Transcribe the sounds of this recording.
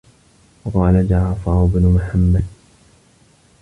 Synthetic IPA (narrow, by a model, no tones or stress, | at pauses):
wɑqɑːlad͡ʒaʕˤɑfɑːʊbnʊmʊħamːad̪